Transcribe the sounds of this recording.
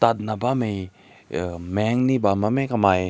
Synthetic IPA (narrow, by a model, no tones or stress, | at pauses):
t̪at̚nabamej | mɛŋnibamamekamaj